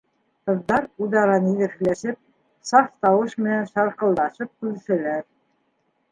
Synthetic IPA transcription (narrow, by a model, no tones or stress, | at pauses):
qɤ̆ðːɑɾuðɑɾɑniðɘ̆ɾklæʃɘp̚ | sɑft̪ɑwɤʃmɘ̆nænʃɑɾqɤ̆lˠd̪ɑʃɤp̚kʉðɘ̆ʃæ̆læɾ